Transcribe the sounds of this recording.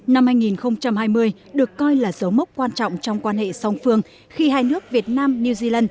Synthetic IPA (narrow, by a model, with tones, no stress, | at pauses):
na˧mhaː˧jŋi˨˩nxə˧wŋ͡mt͡ɕa˧mhaː˧jmɨ˧əj | ɗɨ˨˩əkːɔ˧jlaː˨˩zə˨˦wmə˦˥wk͡p̚kwaː˧nt͡ɕɔ̰˧˨wŋ͡mt͡ɕɔ˧wŋ͡mkwaː˧nhḛ˧˨sɔ˨˧˩wŋ͡mfɨ˧əŋ | xi˧haː˧jnɨ˦˥ək̚vi˨˩ət̚naː˧mni˧wzi˧laː˧n